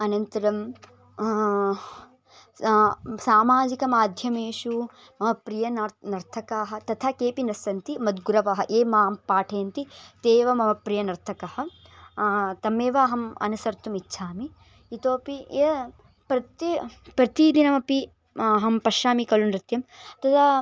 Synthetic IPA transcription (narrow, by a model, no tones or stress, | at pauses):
ɐnɐnt̪ɐɾɐm | saːmaːd͡ʒikɐmaːd̪ʱjɐmeːʃu | mɐmɐpɾijɐnnɐɾt̪ʰɐkaːɦɐ̆t̪ɐt̪ʰaːkeːpinɐsɐnt̪imɐd̪ɡuɾɐʋɐɦɐʔeːmaːmpaːʈʰeːnt̪it̪eːʋɐmɐʋɐpɾijɐnɐɾt̪ʰɐkɐhɐ̆ | t̪ɐmeːʋaːɦɐmɐ̰nusɐɾt̪umitːʃʰaːmiː | t̪oːpieː | pɾɐt̪pɾɐt̪id̪inɐmɐpi | ɐɦɐmpɐʃaːmikɐlunɾɪt̪jɐmt̪ɐt̪ʰa